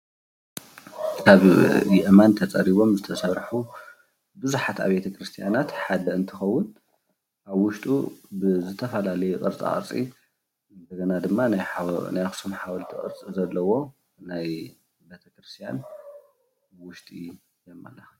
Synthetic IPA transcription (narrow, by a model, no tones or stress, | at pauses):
kʰaβjɪʔmant̪ʰɐt͡sʼɐɾiβo̞mzɨt̪ʰɐsɐɾħu | bɨzuħat̪a̰βbe̞t̪ʰɐkɾɨst̪ʰijanat̪ħad̪ɐɨnt̪ʰɨxɐwːʊn | ʔaβwʊʃt̪ʼṵbɨzɨt̪ʰɐfɐlalɐjɛkʼɨ̰ɾt͡sʼa̰χʼɨ̰ɾt͡sʼḭ | ɨnd̪ɐɡɐnad̪ɨmːanajnajxɨ̥sumħawɐlt̪ʰiχʼɨ̰ɾt͡sʼizɐlːɐwo̞ | naj | be̞t̪ʰɐkɾɨst̪ʰijan | wʊʃt̪ʼi | jɛmːa̰lːɐxa